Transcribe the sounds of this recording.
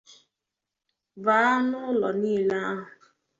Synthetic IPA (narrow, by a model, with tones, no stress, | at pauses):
vaː˨˦nʊ˦lɔ˨niː˦˨la˦ɦʊ˨